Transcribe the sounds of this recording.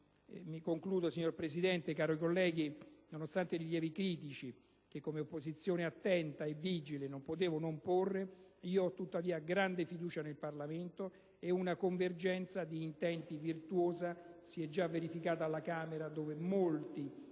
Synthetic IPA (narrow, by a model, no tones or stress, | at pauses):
mikoŋkluːd̪osiɲːorpɾesid̪ɛnt̪ekaːɾoikolːɛːɡinonost̪ant̪eɾiʎɛːvikɾiːt̪̬it͡ʃi | k̟ekːomeopːozit̪sːjoːneat̪ːɛnt̪aevːid͡ʒilenompot̪̬eːvonomporːeiːoɔt̪ːut̪ːaviːaɡɾand̪efid̪uːt͡ʃanelparlament̪o | ɛunakoɱverd͡ʒɛnt̪sad̪iːnt̪ɛnt̪ivirt̪woːzasiɛd͡ʒːavːeɾifikaːt̪aːlːakaːmeɾad̪oːvemolt̪i